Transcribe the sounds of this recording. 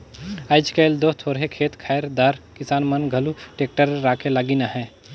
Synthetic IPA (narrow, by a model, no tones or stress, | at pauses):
aːɪd͡ʒkeld̪ot̪ʰoːɾɦekʰeːt̪kʰaːjɾd̪aɾkɪsaːnmənɡʱɐluʈeːk̚ʈəɾːaːkʰelaːɡinaɦɛ̃ː